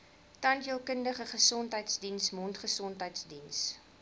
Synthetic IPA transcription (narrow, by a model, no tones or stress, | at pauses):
tɐntəlˠkəndəχəχəsɔntɦəjtsdinsmɔntχəsɔntɦəjtsdins